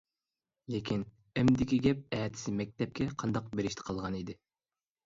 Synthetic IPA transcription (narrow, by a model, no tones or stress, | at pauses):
lekʲʰin | ɛmd̪ɪkʲiɡʲɛp̚ɛːt̪ʰɪ̥sɪmɛk̚ʲt̪ʰɛp̚kʲʰɛqʰɑnd̪ɑq̚beɾɪʃt̪ʰɪ̥qʰɑlˠʁɑnid̪ɪ